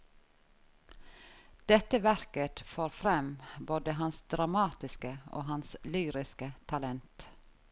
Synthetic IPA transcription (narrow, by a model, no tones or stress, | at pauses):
d̪̥ɛt̪əʋæɾkət̪foːɾfɾɛmboːd̪əɦɑnsd̪ɾɑmɑːt̪ɪskəo̰ːhɑnslyːɾɪskət̪ʰɑlɛnt̪